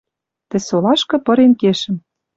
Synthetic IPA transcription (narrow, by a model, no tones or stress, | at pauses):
t̪ɘ̆solɑʃkɤ̆pɤ̆ɾenkeʃɘ̆m